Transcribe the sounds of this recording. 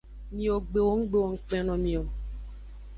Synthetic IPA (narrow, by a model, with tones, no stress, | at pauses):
mĩ˨o˨ɡ͡be˨wo˦ŋ̩˦ɡ͡be˦˨wo˨ŋ̩˦k͡pɛ̃˦nɔ̃˨mĩ˨o˨